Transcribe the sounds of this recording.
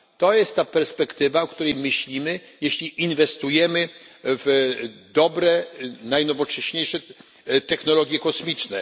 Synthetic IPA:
t̪ɔjɛst̪ːapɛɾspɛkt̪ɘvaɔkt̪uɾɛjmɘɕlʲimɘjeɕlʲiʔinvɛst̪ujɛmɘvd̪ɔbɾɛnajnɔvɔt͡ʂɛɕɲejʂɛ | t̪ɛxnɔlɔɡʲjɛkɔsmʲit͡ʂnɛ

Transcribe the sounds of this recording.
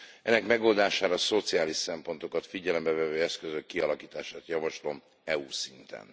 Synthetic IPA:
ʔɛnːɛkmɛɡo̞ld̪aːʃaːɾɒso̞t̪sijaːliʃsɛmpo̞nt̪o̞kɒt̪fiɟɛlɛmbɛvɛvøːɛskøzøkːiɒlɒkiːt̪aːʃaːt̪jɒvɒʃlo̞m | ɛusint̪ɛ̰n

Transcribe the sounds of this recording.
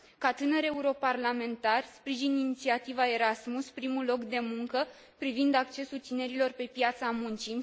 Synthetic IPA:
kat̪ɨnəɾe̞uɾo̞parlame̞nt̪arʲspɾiʒininit̪siat̪ivae̞ɾasmuspɾimulo̞kd̪e̞muŋkə | pɾivind̪akt͡ʃe̞sult̪ine̞ɾilo̞rpe̞pjat̪samunt͡ʃi

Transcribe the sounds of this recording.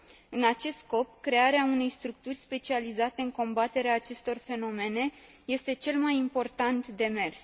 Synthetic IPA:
ɨnat͡ʃe̞st̪sko̞pkɾe̞aɾeaune̞jst̪ɾuk̚t̪urʲspe̞t͡ʃializat̪e̞ɨŋko̞mbat̪e̞ɾeaːt͡ʃe̞st̪o̞rfe̞no̞me̞ne̞ | je̞st̪e̞t͡ʃe̞lmajimpo̞rt̪ant̪d̪e̞me̞rs

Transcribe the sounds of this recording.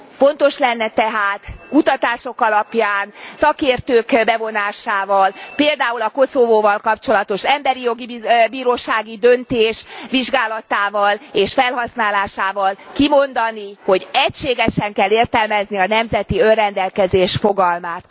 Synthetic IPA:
fo̞nt̪o̞ʃlɛnːɛt̪ɛɦaːt̪kut̪ɒt̪aːʃo̞kɒlɒpjaːnsɒkeːrt̪øːkbɛvo̞naːʃaːvɒlpeːld̪aːulɒko̞sovoːvɒlkɒpt͡ʃo̞lɒt̪o̞ʃɛmbɛɾijo̞ɡibiːɾoːʃaːɡid̪ønt̪eːʃʋiʒɡaːlɒt̪aːvɒleːʃfɛlɦɒsnaːlaːʃaːvɒlkimo̞nd̪ɒniho̞ɟɛcʃeːɡɛʃɛŋkɛlːeːrt̪ɛlmɛzniɒnɛmzɛt̪iø̞rrɛnd̪ɛlkɛzeːʃfoɡɒlmaːt̪

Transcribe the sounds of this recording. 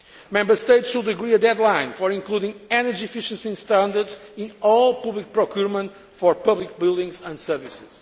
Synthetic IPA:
mɛ̃mbə˞st̪eɪtswulˠd̪ɨɡɹiəd̪ɛd̪lãɪ̃nfɔɾĩŋklˠudĩŋɛnəd͡ʒiɨfiʃə̃nsĩnst̪ãnd̪əɾdzĩnɔlˠpʌblik̚pɹɔkjuɹmə̃nt | fɔɹpʌblik̚bilˠd̪ĩŋzə̃ndsɛɾvisɪz̥

